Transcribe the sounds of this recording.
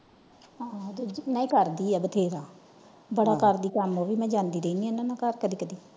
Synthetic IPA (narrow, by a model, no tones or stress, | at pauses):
ad̪od͡ʒnãːĩːkəɾd̪iːɛːbət̪ʰeːɾaː | bəɽaːkəɾd̪iːkəmoːʋiːmɛ̃ːd͡ʒãːnd̪iːɾeiːniːɛnãnãːkəɾkəd̪iːkəd̪iː